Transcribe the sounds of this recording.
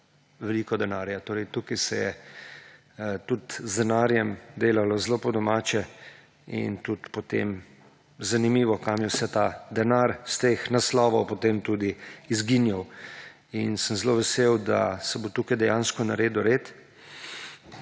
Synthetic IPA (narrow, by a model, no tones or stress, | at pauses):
ʋɛliːkɔd̪ɛnaːɾjat̪oːɾɛjt̪uːkajsɛjɛ | t̪ut̪zd̪ɛnaːɾjɛmd̪eːlalɔzloːpɔd̪ɔmaːt͡ʃɛ | ḭnt̪ut̪pɔt̪ḛm | zanimiːʋɔkamjɛwsɛt̪ad̪ɛnaɾst̪exnaslɔːʋɔwpot̪eːmt̪uːd̪iːzɡinjaw | insəmzloʋɛsewd̪a̰sɛbot̪uːkajd̪ɛjãnskɔnaɾeːd̪uɾeːt̪